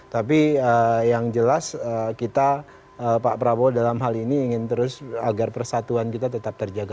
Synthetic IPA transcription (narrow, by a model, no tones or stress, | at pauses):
t̪ap̬iəjaŋd͡ʒəlasəkit̪a | əpaʔpɾabodalamɦaliniːŋɪnt̪əɾʊsa̰ɡarpərsat̪uankit̪at̪ət̪ap̚t̪ərd͡ʒaɡa